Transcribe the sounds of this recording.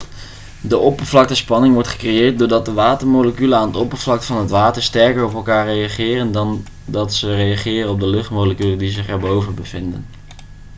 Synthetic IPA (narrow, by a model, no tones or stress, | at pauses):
dəʔɔpəɹvlɑk̚təspɑnɪŋʋɔɹtχə̥krejɪːɹt̚dʊːɹdɑt̚dəʋaːtəɹmoləkyləaːnədəɔpəɹvlɑk̚tfɑnɦətʋaːtəɹstɛɹkərɔpɛlˠkaːɹrejɑχɪːrəndɑn | dɑtsərejɑχɪːrənɔb̚dəlɵχtmowləkyləndizɪχɛɹbowvəbəv̥ɪndə̰n